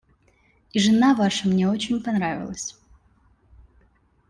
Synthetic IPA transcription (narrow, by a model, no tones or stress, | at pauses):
iʐɨnavaʂəmnʲeot͡ɕɪnʲpɐnɾavʲɪ̰lˠəsʲ